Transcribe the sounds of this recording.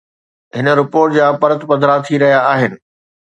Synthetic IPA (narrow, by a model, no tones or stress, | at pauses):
ɦɪnə̆ɾɪpoːɾʈd͡ʑaːpɐɾət̪pɐ̃nd̪ʱɾat̪ʰiɾɐɦijaːɦɪnɪ̆